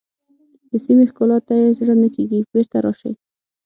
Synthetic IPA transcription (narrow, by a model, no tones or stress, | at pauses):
d̪əsimexkɑlɑt̪ːajezɽənəkeɡibeɾt̪aɾɑʃə̰j